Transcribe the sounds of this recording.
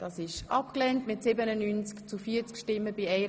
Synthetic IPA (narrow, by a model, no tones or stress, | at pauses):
d̥ɑːsɪʃʔɑp̚klɛntmɪtsɪbənənynt͡skt͡sufiːət͡skʃtɪmːəbiɛɪ